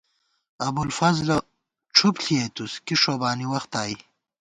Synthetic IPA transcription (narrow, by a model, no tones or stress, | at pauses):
ɐbulfɐzlɐ | ʈ͡ʂʰupɬiet̪uskiʂobaːniwɐxt̪aːi